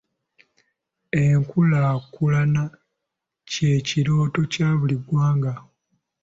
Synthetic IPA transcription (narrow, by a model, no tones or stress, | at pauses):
eŋkulaːkulana | ce̞ciɾo̞ːto̞caːβuliɡwaːŋɡa